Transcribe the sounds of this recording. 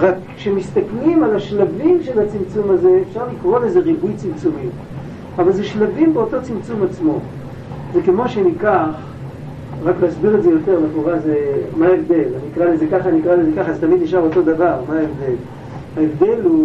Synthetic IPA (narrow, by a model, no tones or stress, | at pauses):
ʁak | ʃemist̪aklimalaʃlavimʃelhat͡simt͡sumaze̞ːfʃaʁlikʁo̞leze̞ʁibujt͡simt͡sumi | avalzeʃlavimbeo̞to̞t͡simt͡sumat͡smo̞ | ze̞kemo̞ʃeanikaχ | ʁakleasbiʁezejo̞t̪e̞ʁbekoʁazemaevd̪e̞laniikʁalezekaχaniikʁalezekaχazet̪amid̪niʃavo̞t̪o̞d̪avaʁmaevd̪e̞l | haevd̪e̞lu